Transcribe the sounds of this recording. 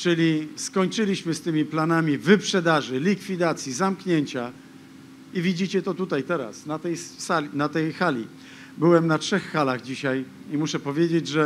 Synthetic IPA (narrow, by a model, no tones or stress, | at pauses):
t͡ʂɘlʲiskɔɲt͡ʂɘlʲiɕmɘst̪ɘmʲiplanamʲivɘpʂɛd̪aʐɘlʲikfʲid̪at̪sʲjizamkɲeɲt͡ɕa | ivʲid͡ʑit͡ɕɛt̪ɔt̪ut̪ajt̪ɛɾa̰snat̪ɛjsanat̪ɛjxalʲḭ | bɘwɛmnatʂɛxːalaɣd͡ʑiɕaj | imuʂɛpɔvʲjed͡ʑed͡ʑʐɛ